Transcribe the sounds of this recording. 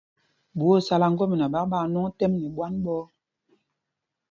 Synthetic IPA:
bu˨˦o˦˨sa˨la˨ŋ̩˦ɡɔ˦mi˨na˨ɓa˦k̚ɓa˦˨nɔ˦ŋ˦tɛ˦mnɛ˨ɓwa˦nɓɔ˦

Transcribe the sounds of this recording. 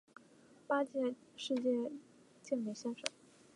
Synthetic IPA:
pa˥t͡ɕjɛ˥˧ʂɻ̩˥˧t͡ɕjɛ˥˧ | t͡ɕjɛ˥˩ŋli˨˩ɕjɛ˥nʂɤ̰˨˩˦ŋ

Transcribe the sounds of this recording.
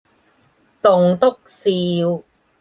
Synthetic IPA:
t̪ʊ˨ŋt̪ʊ˥k̚siː˧w

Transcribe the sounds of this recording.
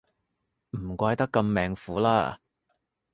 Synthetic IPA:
m̩˨˩kʷaː˧jt̪ɐ˥kːɐ˧mːɛː˨ŋfuː˨˥laː˥

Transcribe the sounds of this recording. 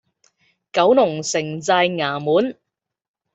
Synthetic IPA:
kɐ˨˥wnʊ˨˩ŋsɪ˨˩ŋt͡saː˧jŋaː˨˩muː˨˥n

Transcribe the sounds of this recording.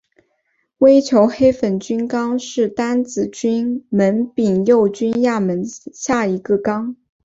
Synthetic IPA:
we˥ɪt͡ɕʰjo˧˥ʊxe˥ɪfə˨˩nt͡ɕy˥nkɑ˥ŋʂɻ̩˥˩t̪a˥nt͡sɹ̩˨˩t͡ɕy˥nmə˧˥npi˨˩ŋjo˥˩ʊt͡ɕy˥nja˥˩mə˧˥nɕja˥˩i˧˥ɡə˧kɑ˥ŋ

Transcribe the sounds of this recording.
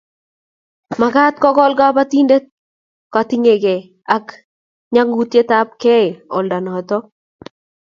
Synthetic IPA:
ma˨ɡa˦t̪̚kɔ˦kɔ˦lɡa˦pa˦t̪i˦nde˦ | ka˨t̪i˦ŋe˨ɡe˨ | a˦k | ɲa˦ŋɡu˦t̪je˦t̪a˦p̚kɛ˦ɪ˨ɔ˨lda˨nɔ˨t̪ɔ˦

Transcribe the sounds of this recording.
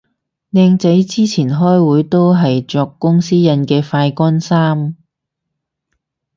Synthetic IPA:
nɛː˧ŋt͡sɐ˨˥jt͡siː˥t͡sʰiː˨˩nɦɔː˥jwuː˨˥jt̪o˥wɦɐ˨jt͡ʃɔː˧kːʊ˥ŋsiː˥jɐ˧nkɛː˧faː˧jkɔː˥nsaː˥m

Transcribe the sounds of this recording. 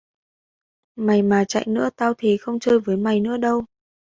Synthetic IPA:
ma˨˩jmaː˨˩t͡ɕa̰˧˨jnɨ̰˧˥ət̪aː˧wt̪ʰi˨˩xə˧wŋ͡mt͡ɕəː˧jvəː˨˦jma˨˩jnɨ̰˧˥əɗə˧w

